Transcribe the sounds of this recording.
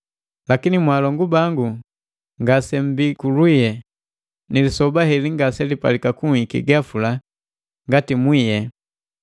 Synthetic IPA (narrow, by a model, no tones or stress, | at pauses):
lakinimwalɔŋɡubaŋɡu | ŋɡasɛm̩bikulwijɛ | nilisɔbaɦɛliŋɡasɛlipa̰likakuikḭɡafula | ŋɡatimwijɛ